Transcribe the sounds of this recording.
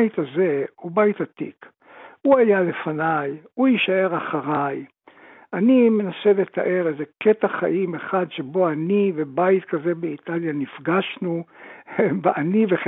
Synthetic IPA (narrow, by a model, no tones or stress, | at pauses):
it̪aze̞ubait̪at̪ḭk | uajale̞fanajujiʃae̞ʁaχaʁaj | anime̞nase̞let̪a̰ʔe̞ʁezeket̪aχa̰ʔimeχad̪ʃe̞bo̞anivebait̪kaze̞beit̪aljanifɡaʃnu | veʔaniveχ